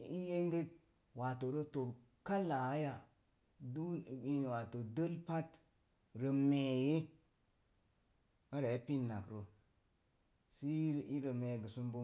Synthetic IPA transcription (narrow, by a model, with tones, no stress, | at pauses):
i˦je˦ŋɡe˦t̚ | wa˨to˨ɾo˦to˨ɾ | ka˦la˨˦ja˨ | du˦˨i˦n˨wa˨to˨də˦lpa˦t | ɾə˨me˨je˦ | a˦ɾe˨˦pi˦nːa˨kɾo˨ | si˦˨i˦ɾə˨me˨ɡə˨su˦mbo˦